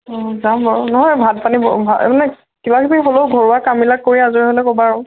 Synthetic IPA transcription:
ɔzambaɹɔnɔɦɔjbʱat̚panibɔbʱa̰manɛ | kibakʰitixoloʊɡʱɔɹuakambilakːoɹiazɔɹɛɦolɛkɔbaɹɔ

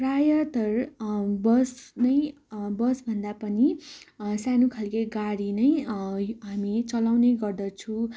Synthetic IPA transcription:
rajʌt̪ʌrbʌsnʌj | bʌsbʱʌnd̪apʌni | sanukʰalkeɡaɽinʌjɦamit͡sʌlawneɡʌrd̪ʌt͡sʰu

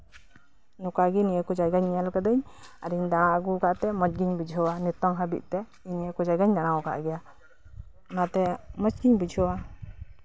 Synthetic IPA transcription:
nukaɡinijəkɔd͡ʒajɡaɲalkad̪əɲaɾiɲd̪aɽ̃aɡukaʔt̪ɛmɔt͡ʃɡiɲbid͡ʒʱɔwanit̪ɔŋɦabḭʔ̪̚t̪ɛ | iɲiəkɔd͡ʒajɡaɲd̪aɽ̃awka̰ʔɡɛja | nat̪ɛmɔt͡ʃɡiɲbid͡ʒʱɔwa

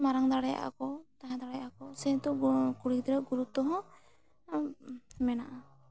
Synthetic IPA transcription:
maɾaŋd̪aɽɛja̰ʔa̰kɔt̪aɦãd̪aɽɛjaʔakɔsɛ̃t̪ɔkuɽid̪ɾaɡuɾut̪ɔɦɔ̃ | mɛnaʔa

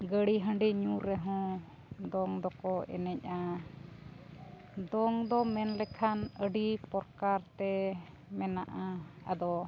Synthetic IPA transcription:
ɡəɽiɦə̃ɳɖiɲuɾːɛɦɔ̃ | d̪ɔŋd̪ɔkɔɛ̰nɛc̚ˀa | d̪ɔŋd̪ɔmɛnlɛkʰanəɖipɔɾkaɾt̪ɛ | mɛnaʔaad̪ɔ

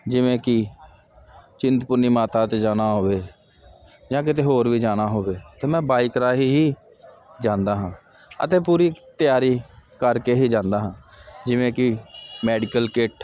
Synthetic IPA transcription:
d͡ʒɪʋẽːkɪ | t͡ʃɪnt̪pʊɾniːmaːt̪aːt̪ed͡ʒaːnaːɦoːʋeː | d͡ʒãːk̬ɪt̪eːɦoːɾʋiːd͡ʒaːnaːɦoːʋeːt̪eːmɛ̃ːbaːɪkɾaːɦiːɦiː | d͡ʒãːnd̪aːɦãː | ə̰t̪eːpuːɾiːt̪ɪjaːɾiːkəɾkeːɦiːd͡ʒãːnd̪aːɦãːd͡ʒɪʋẽːkɪmɛːɖɪkəlkɪʈ

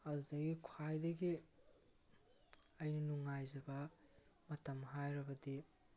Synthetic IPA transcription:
ɐdudɐɡikʰwajdɐɡi | ɐjninuŋajzɐbɐ | mɐtɐmɦajɾɐbɐdi

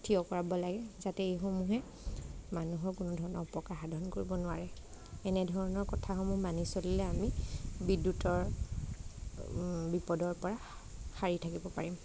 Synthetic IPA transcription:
tʰiɔkɔɹabɔlaɡɛzatɛejxɔmuɦɛ | manuɦɔɹkʊnɔdʱɔɹɔnɔɹɔpɔkaɹxadʱɔnkoɹibɔnʊaɹɛ | ɛnɛdʱɔɹɔnɔɹkɔtʰaxɔmuɦmanisolilɛamibidːutɔɹ | bipɔdɔɹpɔɹa | xaɹitʰakibɔpaɹim

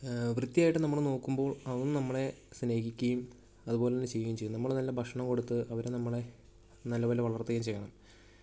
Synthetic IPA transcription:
ʋrɨd̪ːijaːjiʈːɨnɐmːɐɭno̞ːkːumbo̞ːɭɐʋɐnːɨnɐmːɐɭe̞sneːhikʲːɐjum | ɐðubo̞ːleenːɨt͡ɕejːɐjumt͡ɕejːnːnɐmːɐɭenɐlːɐbʱɐkʂɐɳɐmko̞ɽut̪ːɨʔɐʋɐɾenɐmːɐɭe̞ | nɐlːɐʋɐlːeʋɐɭɐrt̪ːɐɣɐjumt͡ɕe̞jːɐɳɐm

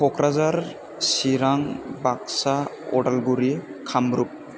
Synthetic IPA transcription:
pʰɔkɾazaɾ | siɾaŋbak̚saɔ̰ɽalɡuɾikʰamɾup̚

